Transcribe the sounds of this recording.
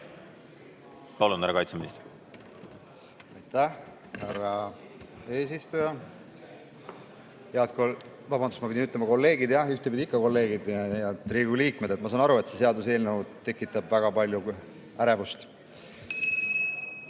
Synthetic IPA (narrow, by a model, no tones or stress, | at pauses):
kolunhæɾekɑjt̪seminist̪ | ɑjt̪æh | hæɾɑ | e̞ːsist̪ujɑ | heɑt̪kol | vɑbɑnd̪usmɑpid̪ʲinyt̪lemɑko̞lːe̞ːɡid̪̥jɑyht̪epid̪ʲiikːɑko̞lːe̞ːɡ̥id̪jɑt̪ːɾiːɡuliːk̚me̞d̪̥et̪mɑsɑːnɑɾue̞t̪se̞se̞ɑd̪us̬e̞ːlnewut̪ːe̞kːˑit̪ːˑɑbvæɡ̥ɑpɑlʲju | æɾevust̪